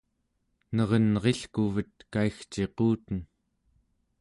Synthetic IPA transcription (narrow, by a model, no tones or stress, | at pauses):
nʌʁʌnʁe̞ɬkuvət̪̚kaixt͡ʃe̞quːt̪ən